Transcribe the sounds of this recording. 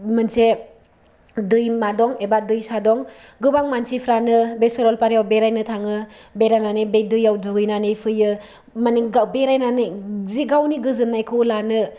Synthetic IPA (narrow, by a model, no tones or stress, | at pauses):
mɯnse | dɯjmadɔŋebadɯjsadɔŋɡɯbaŋmansipʰɾanɯbesoɾɔlpaɾjawbeɾajnɯtʰaŋɯ | beɾajnanebedɯjawdɯɡɯjnanɯjpʰɯjɯ | maniɡabeɾajnanɯziɡawniɡɯzɯnajkʰɯwlanɯ